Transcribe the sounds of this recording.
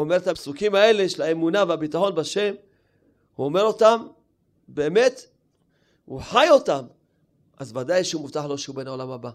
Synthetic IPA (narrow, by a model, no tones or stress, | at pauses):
omeʁet̪apsukimae̞le̞ʃelaemunaveabit̪aħo̞nbaʃe̞m | huome̞ʁo̞tam | be̞ːme̞t̪ | hṵħajo̞tam | ʔazvadajʃeumuftaħlo̞ʃeube̞nao̞lamaba